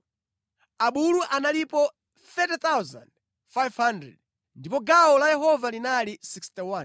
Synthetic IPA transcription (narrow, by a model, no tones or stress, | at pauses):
aɓuluʔanalipɔ | θɛtɛt̪awzã̰nd | fajvhandɾɛ̰d̚ | ndipɔɡaɔlajɛɦɔvalinalisikstiwan